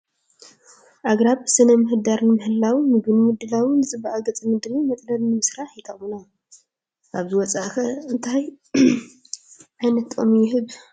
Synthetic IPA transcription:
ʔaɡɾaβɨsɨnɐmɨhɨd̪aɾnɨmɨhɨlːawmɨɡɨnmɨd̪ɨlawinɨt͡sʼɨbaʔaɡɐt͡sʼɐmɨd̪ɾimɨt̪ʼlɐlnɨmɨsɾaħjɪt̪ʰawuna | ʔaβzɨwɔt͡sʼaʔkɐɨnt̪ʰaj | ʔajnɐt̪omjɪɦɨβ

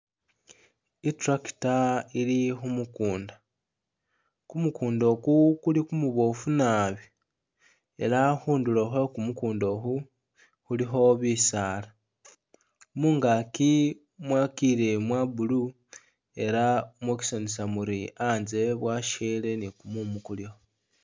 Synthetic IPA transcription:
itɾaki̥tailixumukuːnda | kumukuːndo̞kukulikumuβo̞funaβi | e̞̰laxuːnduloxokumukuːndo̞xu | xulixo̞βisaːla | muːŋɡaki | mwakiɾe̞mwabulu | e̞ɾamweki̥sonisamuɾiaːnze̞βwaʃele̞nikumumukuljo

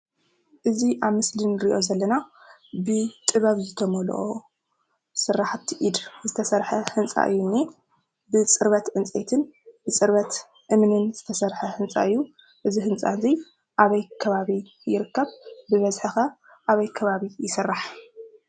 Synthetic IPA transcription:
ʔɨziʔaβmɨslinɾiʔo̞zɐlːɐna | bɨt̪ʼɨβaβzɨt̪ʰɐmɐl̰ʔo | sɨrːaħt̪ʰiʔid̪zɨt̪ʰɐsɐɾħɐhɨnt͡sʼa̰ʔɨ̰jːunːi | bɨt͡sʼɨɾβɐt̪ʕɨnt͡sʼet̪ʰɨnbɨt͡sʼɨɾβɐt̪ | ʔɨmnɨnzɨt̪ʰɐsɐɾħɐhɨnt͡sʼa̰ʔɨjːu | ʔɨzihɨnt͡sʼa̰zi | ʔaβɐjkʰɐβaβi | jɪɾɨkːɐβbɨβɐzħɨxɐ | ʔaβɐjkʰɐβaβijɪsɨrːaħ

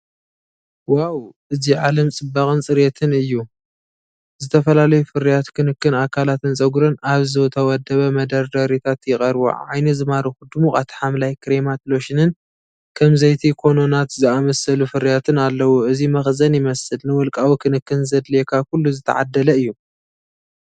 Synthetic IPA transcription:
wawʔɨziʕalɐmt͡sʼɨbːaχʼɨnt͡sʼɨɾet̪ʰɨnɨjːu | zɨt̪ʰɐfɐlalɐjufɨɾijat̪kʰɨnɨkːɨnakʰalat̪ɨnt͡sʼɐɡuɾɨnaβzɨwt̪ʰɐwɔd̪ɐβɐmɐd̪ɐɾd̪ɐɾit̪ʰat̪jɪxʼɐɾbo̰ʕa̰jnɐzɨmaɾuxud̪umuxʼat̪ʰħamlajkʰɾemat̪lo̞ʃɪnɨn | kʰɐmzɐjt̪ʰikʰo̞no̞nat̪zɨamɐsɐlufɨɾijat̪ʰɨnalːɐwoɨzimɐxzɐnjɪmɐsɨlnɨwɔlkʼawikʰɨnɨkːɨnzɐd̪lekʰakulːuzɨt̪ʰɐ̰ʕa̰d̪ːɐlɐɨjːu

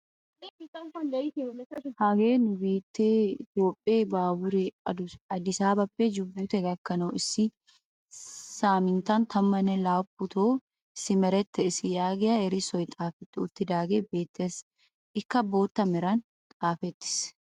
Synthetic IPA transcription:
ɪtːɐfɐnd̪ɐɪt̪ɪlɛɐhaɡeːnʊbeːt̪ːeːɪt̪jo̞ːpʼːɪeːbaːbʊɾɛɐd̪ʊɐd̪ɪsaːbɐpːeːd͡ʒʊbːuːt̪ɛɡɐkːɐnoːɪsɪ | saːmɪnt̪ant̪ʰɐmːɐnɛlaːpːʊt̪oː | ɪsɪmɛɾɛt̪ːɛɪsɪjaːɡɛɐɛɾɪsɔjt̪ʼaːfɛt̪ːɪʊt̪ːɪd̪aːɡeːbeːt̪ːeːs | ʔɪkːɐbːo̞ːt̪ːɐmɛɾɐn | t̪ʼaːfɛt̪ːɪ̥s

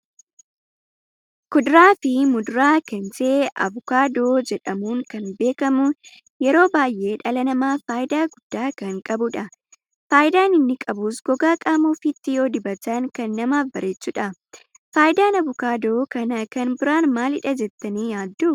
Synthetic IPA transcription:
kʊd̪ɾaːfɪmʊd̪ʊɾaːkɐnd͡ʒeːʔɐ̰bʊkaːd̪o̞ːd͡ʒɛᶑɐmuːŋkɐnbe̞ːkɐmʊn | jɛɾo̞ːbaːjʔe̞ːᶑɐlɐnɐmaːfaːjɪd̪aːɡʊd̪̥ːaːkɐŋkʼɐbʊᶑɐ | faːjɪd̪aːnɪnːɪkʼɐbuːsɡ̥ɔɡaːkʼaːmuːfɪt̪ːɪjo̞ːd̪ɪbɐt̪ɐnkɐnːɐmaːfbɐɾeːt͡ʃːuːᶑɐ | faːjɪd̪aːnɐbʊkaːd̪o̞ːkɐnɐkɐnbɪɾaːnmaːlɪᶑɐd͡ʒɛt̪ːɐniːjaːd̪ːuː

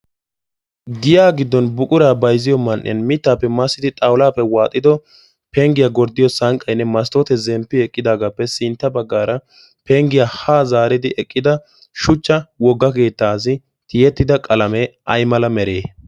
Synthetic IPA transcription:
ɡɪjaːɡɪd̪ːɔnbʊkʼʊɾaːbɐjzɪjɔmɐnʔːɪ̰nmɪt̪ːaːpːɛmɐsːɪd̪ɪt̪ʼɐwlaːpːɛwaːt̪ʼːɪd̪ɔ | pɛŋɡɪjaɡɔɾd̪ːɪjɔsɐŋkʼːɐjnːɛmɐs̬t̪ot̪ɛzɛmpːɪɛkʼːɪd̪aːɡaːpːɛsɪnt̪ːɐbɐɡːaːɾɐ | pɛŋɡɪjaːhaːzaːɾɪd̪ɪʔɛkʼːɪd̪ɐ | ʃʊt͡ʃːɐwɔɡːɐk̬e̞ːt̪ːaːs̬ɪ | t̪ɪjɛt̪ːɪd̪ɐkʼɐlɐmɛɐjmɐlɐmɛɾeː

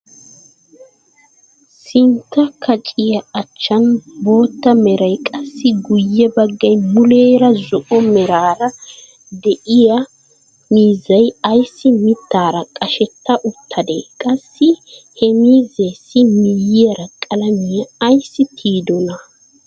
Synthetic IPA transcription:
sɪnt̪ːɐkʰɐt͡ʃʼɪjɐːt͡ʃːɐnbo̞ːt̪ːɐmɛɾɐjkʼɐsːɪɡʊjːɛbɐɡːɐjmʊleːɾɐzʊʔɔmɛɾaːɾɐ | d̪ɛʔɪjɐ | miːzːɐjɐjsːɪmɪt̪ːaːɾɐkʼɐʃɛt̪ːɐʔʊt̪ʰːɐd̪ḛːkʼɐsːɪhɛmiːzeːsːɪmijɪjɐɾɐkʼɐlɐmɪjɐːjsːɪt̪ʰiːd̪ɔnɐ

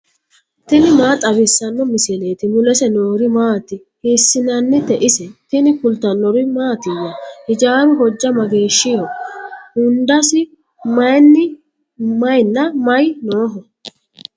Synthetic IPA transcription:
t̪ɪnɪmaːt̪ʼɐβɪsːɐnːɔmɪsɪleːt̪ɪmʊlɛsɛnoːɾɪmaːt̪ɪ | hiːsːɪnɐnːɪt̪ɛʔɪsɛt̪ɪnɪkʊlt̪ɐnːɔɾɪmaːt̪ɪwɐhɪd͡ʒaːɾʊɦɔd͡ʒːɐmɐɡeːʃːɪhɔhʊnd̪ɐsɪ | mɐjnːɪ | mɐjnːɐmɐjnoːɦɔ

